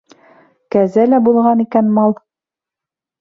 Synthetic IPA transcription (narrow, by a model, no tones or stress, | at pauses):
kæzælæbulˠʁɑnikænmɑlˠ